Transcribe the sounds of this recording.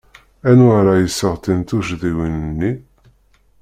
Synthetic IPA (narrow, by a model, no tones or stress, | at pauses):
ænaɾajəsːəʁt̪int̪uʒðiwinənːi